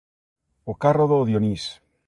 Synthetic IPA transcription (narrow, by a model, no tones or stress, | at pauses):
okaroðoðjonis